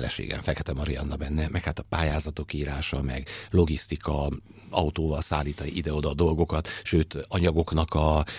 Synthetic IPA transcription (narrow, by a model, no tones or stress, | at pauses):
ɛlɛ̰ʃḛːɡɛ̰ɱfɛkɛt̪ɛmɒɾijɒ̰nːɒbɛnːɛmɛkhaːt̪ɒpaːjaːzɒt̪o̞kːiːɾaːʃɒmɛ̰ɡlo̞ɡist̪ikɒ | ɒut̪oːvɒlsaːlːiːt̪ɒiʔid̪ɛo̞d̪ɒd̪o̞lɡo̞kɒt̪ʃøːt̪ɒɲɒɡo̞knɒkɒ